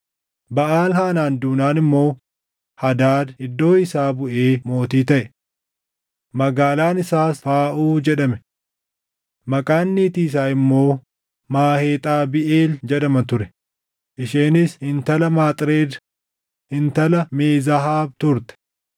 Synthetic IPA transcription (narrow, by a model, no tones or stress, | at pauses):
bɐʔaːlhaːnaːnd̪uːnaːnɪmːo̞ː | hɐd̪aːd̪ɪd̪ːo̞ːɪsaːbʊʔeːmo̞ːt̪iːt̪ɐʔɛ | mɐɡaːlaːnɪsaːsfaːʔuːd͡ʒɛᶑɐmɛ | mɐkʼaːnːiːt̪iːs̬aːɪmːo̞ː | maːheːt̪ʼaːbɪʔeːld͡ʒɛɗɐmɐt̪ʊɾɛ̥ | ʔɪʃeːnɪshɪnt̪ɐlɐmaːt̪ʼɾeːd | hɪnt̪ɐlɐmeːzɐɦaːb̚t̪ʊɾt̪ɛ̥